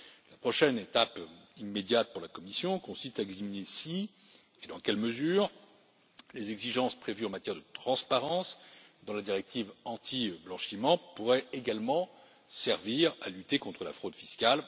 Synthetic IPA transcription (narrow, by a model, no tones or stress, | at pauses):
lapχɔʃɛnet̪apimːed̪jat̪̚puʁlakɔmisjɔ̃kɔ̃sist̪aɛɡzaminesi | ed̪ɑ̃kʲɛlməzyːʁ | lezɛɡziʒɑ̃spχevyɑ̃mat̪jɛʁd̪ət̪χɑ̃spaʁɑ̃sd̪ɑ̃lad̪iʁɛk̚t̪ʰivɑ̃t̪ʰiblɑ̃ʃimɑ̃puʁɛeɡalmɑ̃ | sɛʁviʁa̰lyt̪ekɔ̃t̪χəlafχod̪fiskal